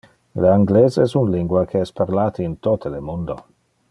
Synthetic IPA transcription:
leaŋɡleːzɛsunliŋɡwakʰeɛspaɾlaːt̪ʰiint̪ot̪ʰelemund̪o

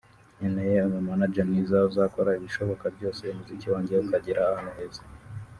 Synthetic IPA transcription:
ɲenejeomumanad͡ʒanizauzakoɾaiβiʃo̞βo̞kabɟo̞ːseimuziciwaːɲɟeukaɟiɾaːhanuheːze

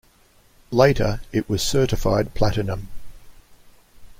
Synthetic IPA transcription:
leɪɾəɪʔwɒz̥sɜˑɾɪfaɪd̚pʰl̥aɾənə̃m

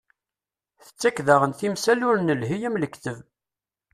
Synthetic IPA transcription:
θə̥t͡sːækðəʁənθimsælʊɾnəlɦijæmləkθəv

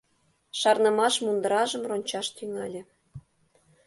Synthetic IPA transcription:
ʃɑrnə̆mɑʃmund̪ə̆ɾɑʒəmronʲt͡ɕɑʃt̪yŋɑlʲĕ

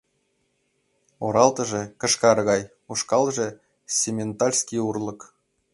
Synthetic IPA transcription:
oɾɑlˠt̪ɤ̆ʐĕkɤ̆ʃkɑɾɤɣɑj | uʂkɑlˠʒĕ | sʲemʲent̪ɑrʲsʲkʲiurlˠɤ̆k

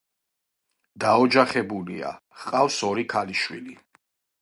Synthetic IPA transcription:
d̪aɔd͡ʒaχɛbulia̰ | χqʼawsɔɾikʰaliʃwili

